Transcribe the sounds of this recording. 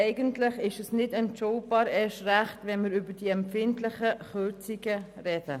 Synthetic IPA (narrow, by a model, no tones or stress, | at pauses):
ɛɪɡəntlɪχɪʃɛsnɪdɛntʃɔwb̥ɑːɾɛʃræχtvɛnmɪɾybəd̥iɛmpfɪntlɪχəχøɾt͡siɡərɛd̥ə